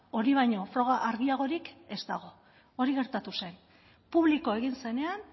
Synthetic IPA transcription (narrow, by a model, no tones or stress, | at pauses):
o̞ɾiβ̞ajɲo̞fɾo̞ɣaʔaɾɣiaɣ̞o̞ɾike̞st̪aɣ̞o̞ | oɾiɣe̞ɾt̪at̪use̞n | puβliko̞e̞ɣ̞inse̞ne̞an